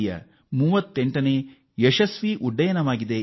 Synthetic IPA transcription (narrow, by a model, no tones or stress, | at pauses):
jɐ̰ | muːʋɐt̪ːeɳʈɐneː | jeʃɐsʋiʔuɖːɐjɐnɐʋaːɡid̪e